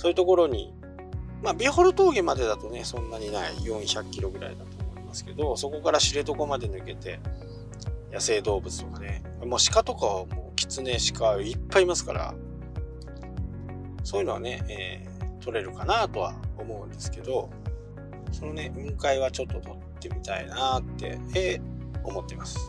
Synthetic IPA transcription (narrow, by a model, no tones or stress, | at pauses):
sojɯ̟t̪o̞ko̞ɾo̞ɲ̟ḭ | maːbʲiho̞ɾɯ̟t̪o̞ːɡemad̪e̞d̪at̪o̞ne̞sõ̞nːaɲ̟inaḭjõ̞ɰ̃çakʲːiɾo̞ɡɯ̟ɾa̰ḭd̪at̪o̞ːmmo̞imasɨ̥ke̞d̪o̞so̞ko̞kaɾaɕiɾet̪o̞ko̞mad̪e̞nɯ̟ke̞t̪e̞ | jase̞ːd̪o̞ːbɯ̟t͡sɨ̥t̪o̞kane̞ | amoːɕi̥kat̪o̞kaomo̞ːkʲi̥t͡sɨne̞ɕi̥kaipːaimasɨ̥ka̰ɾa̰ | so̞ːjiɯnoa̰ne̞eː | t̪ʰo̞ɾe̞ɾɯ̟kanat̪o̞βa̰o̞mo̞ɯ̟̃nd̪e̞sɨ̥ke̞d̪o̞ | so̞no̞ne̞ɯ̟̃ŋkaiβ̞at͡ɕo̞t̪ːo̞t̪o̞t̪ːe̞mʲit̪aḭnat̪ːe̞̰eo̞mo̞t̪ːe̞masɨ̥